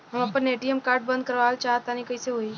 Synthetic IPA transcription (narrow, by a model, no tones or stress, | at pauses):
ɦəməpəneʈiəmkaːɾɖ̚bə̃nd̪̚kəɾʋalt͡ʃaɦt̪anĩkəiseɦoi